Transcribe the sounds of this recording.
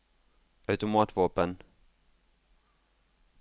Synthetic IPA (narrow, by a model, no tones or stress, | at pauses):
ʔœɥt̪omɑːt̪voːpən